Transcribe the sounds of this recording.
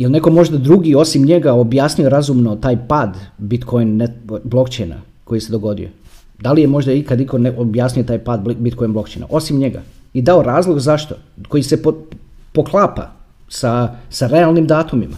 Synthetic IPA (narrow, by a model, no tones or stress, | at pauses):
jelˠne̞ko̞mo̞ʒd̪ad̪ɾuɡio̞simɲe̞ɡaobjaːsnɲujo̞ɾazumno̞t̪aːjpaːd̪bit̪kʰo̞jnneblo̞kt͡ʃejna̰ | ko̞jise̞d̪o̞ɡo̞d̪ḭo̰ | d̪alije̞mo̞ʒd̪aikad̪iko̞neʔobjaːsnʲujot̪aːjpaːd̪̚bit̪ko̞jnblo̞kt͡ʃḛjna̰ʔo̞simɲeɡa̰id̪ao̞ɾaːzlˠoɡzaʃt̪o̞ko̞jise̞popo̞klˠaːpa̰ | sasaɾe̞alˠnimd̪aːt̪umima